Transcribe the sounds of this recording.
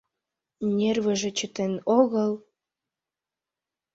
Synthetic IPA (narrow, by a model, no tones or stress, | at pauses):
nʲerβĕʒĕt͡ɕət̪enoɣəl